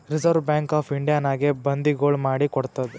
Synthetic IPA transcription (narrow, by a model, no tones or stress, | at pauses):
ɾizɐɾʋbjaːŋkaːpʰiɳɖijaːnaːɡebɐnd̪iɡoːɭmaːɽikɔɽt̪ɐd̪e